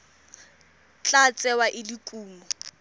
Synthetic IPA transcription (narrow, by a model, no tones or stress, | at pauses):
t͡ɬʼat͡sʼɛwaʔɪlikʼuːmɔ